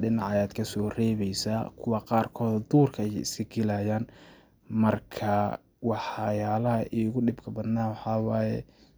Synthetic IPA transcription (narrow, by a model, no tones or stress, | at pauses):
ɖɪnɑʕɑjaːd̪kʰɐsɔːrɛːβɛjsaːkʰʊwɑqɑːrkʰɔːðɔd̪uːrkʰɐɛjɪsɪɡɪlajaːn | mɐrkʰɐ | wɑħɑjaːlɐɦɐʔiːɣʊɖɪbkʰɐbɐd̪naːwɑħɑːwɑːjɛ̰